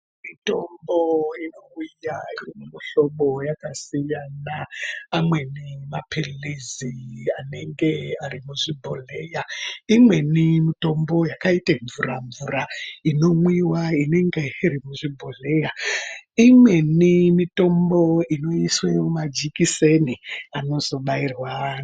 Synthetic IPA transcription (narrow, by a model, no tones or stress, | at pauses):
mito̞mboino̞wujairimumiɬo̞ɓo̞jakasijanaamwe̞nimapʰeleziane̞ŋɡe̞arimuʐibʱo̞le̞jaimwe̞nimito̞mbo̞jakaiteɱvuɾaɱvuɾaino̞mwiwaine̞ŋɡeiɾimuʐibʱo̞ɮejaimwe̞nimito̞mbo̞ino̞isweumad͡ʒikiseniano̞zo̞ɓairwa